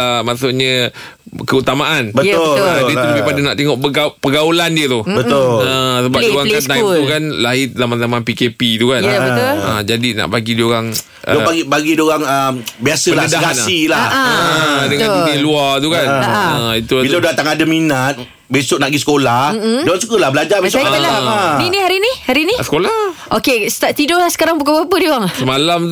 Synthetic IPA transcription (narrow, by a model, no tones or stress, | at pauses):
əmasoʔɲə | kəut̪amaʔanbət̪old͡ʒaiuləbepadana̰ʔt̪eŋɔʔəapəɡaulandiət̪ubət̪oləsəbap̚dioɣaŋkant̪ait̪ukanlaɦɪzamanzamapikepit̪ukanbəəd͡ʒadina̰ʔbaɡidioɾaŋ | ʔəobaɡibaɡidioɣaŋəmbiasəblaədaɡasilaʔ | dəŋãnuiluat̪ukanəit̪uit̪audat̪aŋadəminat̪̚ | besʊk̚naʔɡisə̥kolah̩m̩oɣaŋsukəlahbəlad͡ʒabesladinĩɦaɾinihaɾinĩsə̥kolahʔokest̪at̪idɔlahsə̥kaɾaŋbukabapədioɣaŋsəmalam